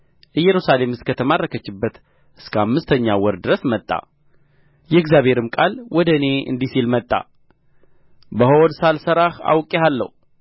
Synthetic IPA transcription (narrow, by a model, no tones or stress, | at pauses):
ʔɨjːɛɾusale̞mɨskʰət̪ʰəmarəkʰət͡ʃːɪbːət̪ | ʔɨskʰəamːɨst̪ʰəɲːawɔɾd̪ɨɾəsmət̪ʼːa̰ | jɛɨɡzjaβhe̞ɾɨmkʼalwɔd̪əne̞ɨ̰nd̪isilmət̪ʼːa̰ | bəɦoɔd̪salsəɾaha̰wkʼealːə̰hu